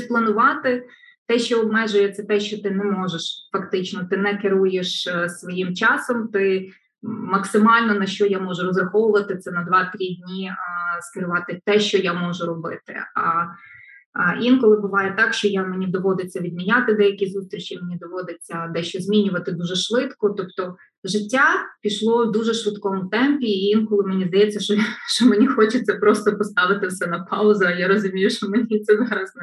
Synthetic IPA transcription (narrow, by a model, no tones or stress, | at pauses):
plˠɐnʊʋɑt̪ɪ | t̪ɛʃt͡ʃɔɔbmɛʒʊjɛt̪sɛt̪ɛʃt͡ʃɔt̪ɪnɛmɔʒeʃfɐkt̪ɪt͡ʃnɔt̪ɪnɛkɪɾujeʃsʋɔjimt͡ʃɑsɔmt̪ɪ | mɐksɪmɑlʲnɔnɐʃt͡ʃɔjamɔʒʊɾɔzrɐxɔʋʊʋɐt̪ɪt̪sɛnɐd̪ʋɑt̪ɾʲidʲnʲiskɪɾʊʋɑt̪ɪt̪ɛʃt͡ʃɔjamɔʒʊɾɔbɪ̰t̪ɪ̰ɐ | jʲinkɔlˠɪbʊʋɑjɛt̪ɑkʃt͡ʃɔjamenʲid̪ɔʋɔd̪ɪt͡sʲːɐʋʲid̪mʲinʲat̪ɪd̪ɛjɐkʲizust̪ɾʲit͡ʃimenʲid̪ɔʋɔd̪et͡sʲːɐd̪ɛʃt͡ʃɔzʲmʲinʲʊʋɐt̪ɪd̪uʒɛʃʋɪt̪kɔt̪ɔpt̪ɔ | ʒɪtʲːapʲiʃlˠɔwd̪uʒɛʃʋɪt̪kɔmʊt̪ɛmpʲiːjʲinkɔlˠɪmenʲizd̪ɐjɛt͡sʲːɐʃt͡ʃɔjʃt͡ʃɔmenʲixɔt͡ʃɪt͡sʲːɐpɾɔst̪ɔpɔst̪ɑʋɪt̪ɪwsɛnɐpɑʊzɐɐjaɾɔzʊmʲijʊʃt͡ʃɔmenʲit̪sɛzɑɾɐsn